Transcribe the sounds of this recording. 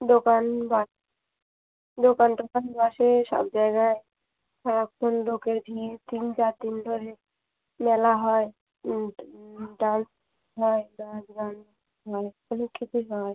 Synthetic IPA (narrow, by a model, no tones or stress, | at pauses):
ɖokanbaʃ | ɖokanɖokanbaʃeʃɔ̰b̚d͡ʑajɡae | kʰaɾak̚tonlokeɾbʱiɾt̪int͡ɕaɾd̪ind̪ʱoɾe | mɛlaɦɔe | ɖans | ɦɔebasɡan | ɦɔe | onekːit͡ʃʰuɦɔe